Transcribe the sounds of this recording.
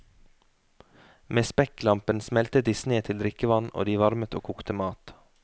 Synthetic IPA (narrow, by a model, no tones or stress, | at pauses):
meːspɛklɑmpənsmɛlt̪ət̪̚d̪iːsneːt̪ʰɪld̪ɾɪkəʋɑno̰ːd̪iːʋɑɾmət̪o̰ːkʰuːkt̪əmɑːt̪